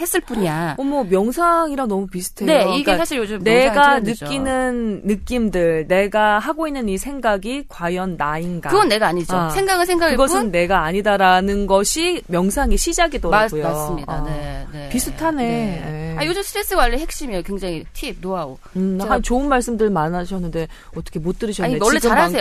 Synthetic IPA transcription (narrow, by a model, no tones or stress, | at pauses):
he̞s͈ɯɭp͈uɲaʌmʌmjʌŋsʰaŋiɾanʌmupisʰu̥tʰeneiɡsʰaɕʰiɾjod͡ʑɯmne̞ɡanɯinɯnːɯk͈imdɯɭne̞ɡahaɡoinːɯnisʰe̞ŋɡaɡikwajʌnːainɡa̰kɯɡʌnːe̞ɡaaɲid͡ʑosʰeŋɡaɡɯɭs̬ʰeŋɡaɡiɡʌsʰɯnːe̞ɡaːɲidaɾanɯnɡʌɕʰimjʌŋsʰaŋiɕʰid͡ʑaɡidoɾaɡojoaɯmɲidaepisʰutʰane̞eajod͡ʑɯmsʰɯɾes͈ɯwaʎːihe̞k̚ɕ͈imiejokweŋd͡ʑaŋitʰib̚noaɡo | ɯɦant͡ɕoɯnmaɭs͈ɯmdɯɭmanaɕʰʌnːɯnde̞ | ʌt͈ʰʌ̥kʰe̞mot͈ɯɾɯɕʰʌeʌɭːed͡ʑaɾaeo